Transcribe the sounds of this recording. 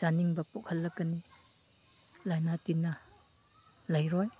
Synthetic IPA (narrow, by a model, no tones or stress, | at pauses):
d͡ʒaniŋbɐpokhɐlːɐkːɐni | lajnatinɐ | lajɾɔj